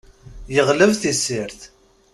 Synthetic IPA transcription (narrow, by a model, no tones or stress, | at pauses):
jəʁləvθisːɪɾθ